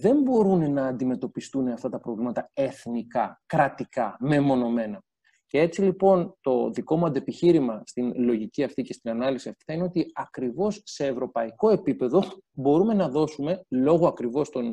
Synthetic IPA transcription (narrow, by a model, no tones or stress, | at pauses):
ðe̞mbo̞ɾunenɐːnd̪ime̞t̪o̞pist̪uneɐft̪ɐt̪ɐpɾo̞vlimɐt̪ɐe̞θnikɐkɾɐt̪ikɐme̞mo̞no̞me̞nɐ | ce̞et͡silipo̞nt̪o̞ðiko̞muɐnd̪e̞piçiɾimɐst̪inlo̞ʝiciɐft̪ice̞st̪inɐnɐlisiɐft̪i̥θɐineo̞t̪iɐkɾivo̞sse̞ːvɾo̞pɐiko̞e̞pipe̞ðo̞bo̞ɾume̞nɐðo̞sume̞lo̞ɣoɐkɾivo̞st̪o̞n